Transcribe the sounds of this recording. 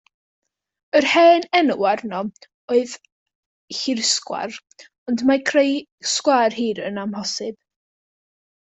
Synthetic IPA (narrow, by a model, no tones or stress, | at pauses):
ərhɛːnɛnəwarnɔ | oɨð | hɪrskwa̰r | ɔndmakʰrejskwaːrhiːɾənamɦɔsɪb̥̚